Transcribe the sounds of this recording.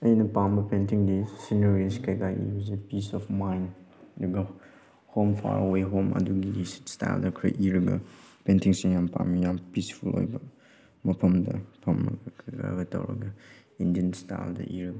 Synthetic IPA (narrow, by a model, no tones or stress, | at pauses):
ɐjinɐpambɐpentiŋdisinɐɾiskajɡaʔḭbɐsipisɔfmajndɐɡɐ | hompʰa̰ɾweɦomɐ̰duɡiissta̰jldɐkʰɾɐ̰ʔiɾɐɡɐ̰pentʰiŋsiŋjampa̰mijampispʰulo̰jbɐ | mɐpʰɐmdɐpʰɐmɾɐ̰ɡɐkʰɐɡa̰ɡɐtɐ̰wɾɐ̰ɡɐ | indiənstajldɐ̰ʔiɾɐɡɐ